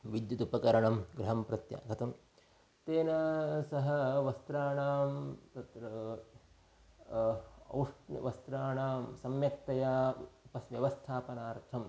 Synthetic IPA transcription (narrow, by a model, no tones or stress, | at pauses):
ʋid̪jut̪upɐkɐɾɐɳɐmɡɾɐɦɐmpɾɐt̪ja̰ːkɐt̪ɐm | t̪eːnɐsɐɦɐ̆ʋɐst̪ɾaːɳaːmt̪ɐt̪ɾɐ | ɐ̰wʂɐ̰ʋɐst̪ɾaːɳaːmsɐmjɐk̚t̪ɐjaːupɐsʋjɐʋɐst̪ʰaːpɐnaːɾt̪ʰɐm